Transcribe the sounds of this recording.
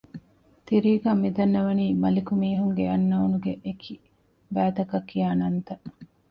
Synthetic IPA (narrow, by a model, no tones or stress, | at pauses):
t̪iɾiːɡaːmid̪ɐnːɐʋɐniːmɐlikumiːɦuŋɡeɐnːɐunuɡeʔekʰi | bæːt̪ɐkɐkːijaːnɐnt̪ɐʔ